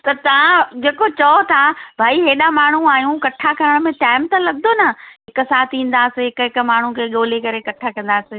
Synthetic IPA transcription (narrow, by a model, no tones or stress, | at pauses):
t̪ɐt̪ɐʋãd͡ʑeːkot͡ɕɐt̪ʰabʱaːiɦeːɗamaːɳ̤uaːjũkɐʈʰakɐɾəɽ̃̆mẽʈaːɪmt̪ɐlɐɠd̪onɐɦɪksaːt̪ʰĩːn̆d̪aːsɪɦɪkʊɦɪkʊ̆maːɳ̤ukʰeːɠoːlekɐɾekɐʈʰakɐ̃nd̪aːsɪ